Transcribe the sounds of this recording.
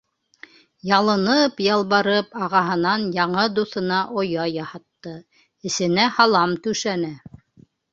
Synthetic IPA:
jɑlˠɤ̆nɤpjɑlˠβɑɾɤpɑʁɑɦɤ̆nɑnjɑɴɤd̪uθɤ̆nɑʔojɑjɑhɑt̪ːɤ | ɘ̆sɘ̆næhɑlˠɑmt̪ʉʃænæ

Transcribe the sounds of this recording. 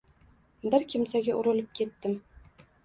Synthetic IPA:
bɪɾkʰʲɪmsaɡʲaʔʊɾʊ̆lˠɪp̚kʲʰe̞t̪ːɪm

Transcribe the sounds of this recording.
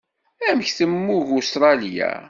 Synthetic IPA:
æməçθəmːuʝʊst̪ɾˤɑljæ̰

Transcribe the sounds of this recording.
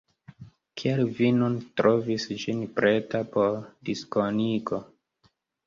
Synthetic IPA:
kʰialvinuntɾo̞visd͡ʒinpɾʔe̞tapoɾdiskoniko̞

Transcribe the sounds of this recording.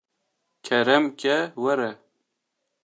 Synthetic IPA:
kʰɛɾɛmkɛwɛɾɛ

